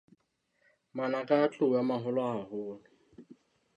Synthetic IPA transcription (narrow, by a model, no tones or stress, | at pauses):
manakʼat͡ɬʼʊjamaɦʊlɔaɦʊːlʊ